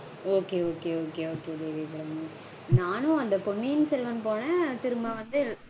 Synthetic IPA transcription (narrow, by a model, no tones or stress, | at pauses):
oːkeːoːkeːoːkeːoːkeːd̪eːʋeːkɐɾɐmɐ | naːnʊ̃ɐnd̪ɐpɔɳːijɪnsɛlʋɐnpoːnɛ̃t̪ɪɾɯmbãːʋɐnd̪ɯ